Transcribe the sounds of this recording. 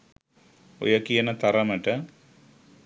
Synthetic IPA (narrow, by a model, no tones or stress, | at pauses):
o̰jɐkijɐnɐt̪ɐɾɐmɐʈɐ